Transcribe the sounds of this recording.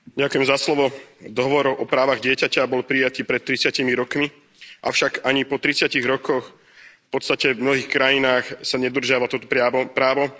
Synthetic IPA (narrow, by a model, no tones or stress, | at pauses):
ɟakujɛmzaslɔʋɔd̪ɔɦɔʋɔɾɔʊʔɔpɾaːʋaɣɟɪɛcacabɔlpɾijat̪iːpɾɛt̪ːɾit͡sɪacimiɾɔkmi | ʔa̰ʊʃaɡaɲipɔt̪ɾit͡sɪaciɣɾɔkɔx | fpɔt̪st̪acɛvmnɔɦiːxkɾajinaːxsaɲɛd̪r̩ʒɪaʋat̪ɔt̪ɔpɾɪaɔpɾaːʋɔ